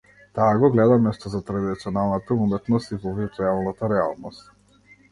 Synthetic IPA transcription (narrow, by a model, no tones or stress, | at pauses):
t̪aːɡɔɡlɛd̪amnɛʃt̪ɔzat̪ɾad̪it̪siɔnalˠnat̪aumɛt̪nɔst̪ivɔvit̪ualˠnat̪aɾɛa̰lˠnɔst̪